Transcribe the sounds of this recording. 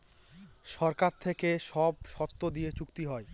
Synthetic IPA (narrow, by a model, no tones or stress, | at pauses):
ʃɔɾkaɾt̪ʰekeʃɔb̚ʃɔt̪ːod̪ijet͡ɕukt̪iɦɔe